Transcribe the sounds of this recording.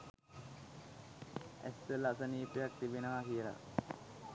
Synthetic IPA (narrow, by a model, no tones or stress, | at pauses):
æ̰sːəlasəniːpejak̚t̪ibenəʋakijəla̰